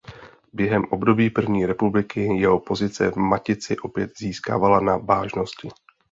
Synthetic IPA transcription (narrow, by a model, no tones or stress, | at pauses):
bjɛɦɛmʔo̞bdo̞biːpr̩vɲiːɾɛpublɪkɪjɛɦo̞po̞zɪt͡sɛ̰vmacɪt͡sɪʔo̞pjɛt̪ziːska̰ːvalanavaːʒno̞scɪ